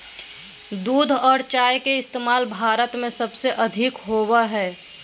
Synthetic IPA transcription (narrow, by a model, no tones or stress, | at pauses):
d̪uːd̪ʱɔːɾt͡ʃaːjkeɪst̪eːmaːlbʱaːɾət̪mẽsɐbseʔɐd̪ʱɪkɦoːwaɦɛː